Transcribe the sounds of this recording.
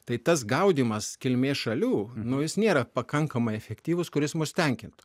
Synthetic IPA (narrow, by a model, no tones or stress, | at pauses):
t̪ɐɪt̪ɐs̬ɡɐʊd̪ʲiːmɐskʲɪlʲmʲeːʃɐlʲuːnʊjɪsnʲeːɾɐpɐkɐŋkɐmɐɪɛfʲɛkt̪ʲiːʋʊskʊɾʲɪsmʊsʲt̪ʲɛŋʲkʲɪnt̪ʊ̥